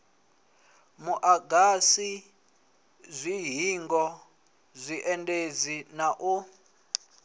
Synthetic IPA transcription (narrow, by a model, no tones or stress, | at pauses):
muʔaɡasi | zʷiɦiŋɡɔ | zʷiʔɛntʼed͡zinaʔu